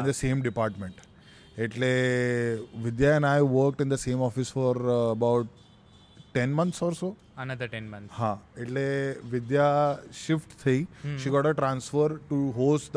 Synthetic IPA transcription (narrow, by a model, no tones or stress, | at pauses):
ĩnd̪əseːmɖipaɾʈmẽɳʈ | eʈle | ʋid̪jaɛ̃najʋəɾk̚ʈĩnd̪əseːmɔfisfɔɾəbawʈ̚ː | ɛnmɐnt̪ʰsɔɾso | ɐnɐd̪əʈɛnmnhãeʈleʋid̪jaʃifʈt̪ʰəiʃiːɡɔʈəʈɾãnsfəɾʈuɦosʈd̪